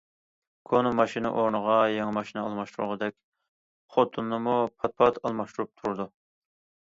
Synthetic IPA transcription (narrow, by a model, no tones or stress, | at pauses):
kʰonomɑʃinɨ̰ʔoɾnəʁɑjɑŋɨmɑʃinɨɑlˠmɑʃt̪uɾuʁəd̪ɛkʲ | χot̪ʰunːɨmupʰɑt̪̚pʰɑt̪ʰɑlˠmɑʃt̪uɾup̚t̪ʰuɾud̪u